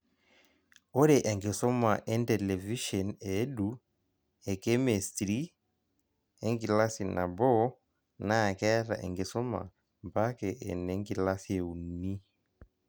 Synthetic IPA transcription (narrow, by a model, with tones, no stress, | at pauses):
ɔ˦ɾɛ˨ʔɛ˨ŋɡe˨sɔ˦ma˨ʔɛ˦ntɛ˨lɛ˨vi˦ʃɔ˨ne˦du˨ | ɛ˨kɛ˦mɛ˨stɾi˦ | ɛ˦ŋɡi˨la˦si˨na̰˨bɔ˦ | na˦˨kɛ˦ɾa̰˨ʔḛ˨ŋɡe˨sɔ˦ma̰˨ | mpa˦kɛ˨ʔɛ̰˨nɛ˨ŋɡi˨la˦sie˨u˨ni˦